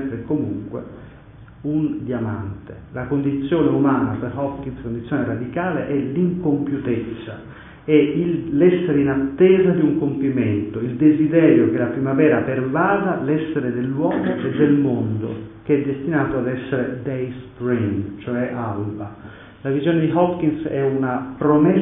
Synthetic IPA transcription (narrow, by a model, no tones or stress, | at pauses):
ɾekomuŋkwḛ | und̪jama̰nt̪e | lakond̪it̪sːjoːneumaːnaperhɔkinskond̪it̪sːjoːneɾad̪ikaːleʔɛliŋkompjut̪et̪sːa | ɛiːɛsːeɾeinat̪ːɛːzad̪iuŋkompiment̪oild̪ezid̪ɛːɾjokelapɾimavɛːɾapervaːd̪alɛsːeɾed̪elːwɔːmoʔed̪ːelmond̪o̰keɛd̪ːest̪inaːt̪oad̪ɛsːeɾed̪ɛjspɾint͡ʃoɛʔalba | lavizjoːned̪iɦɔpkinsɛunapɾomɛ